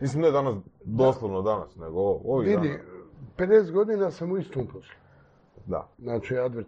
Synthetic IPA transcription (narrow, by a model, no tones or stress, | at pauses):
misʲimned̪anasd̪oslˠoʋnod̪anasneɡooʋiid̪iped̪eːst̪ɡod̪inasamuist̪oːmposlu | d̪a̰znaːt͡ʃiad̪ʋeɾ